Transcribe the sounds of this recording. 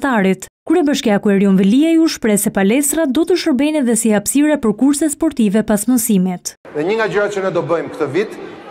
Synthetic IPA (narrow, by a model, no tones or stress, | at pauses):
t̪aɾit̪kuɾɛbəʃkɛakuɛɾiɔnvɛliajuʃpɾɛsɛpalɛst̪ɾad̪ɔt̪əʃəɾbɛjnɛðɛsihapsiɾɛpəɾkuɾsɛt̪spɔɾt̪ivɛpasmɔsimit̪ | ðɛɲəŋɡad͡ʑəɾat͡ʃənɛd̪ɔbəjmkt̪əvit̪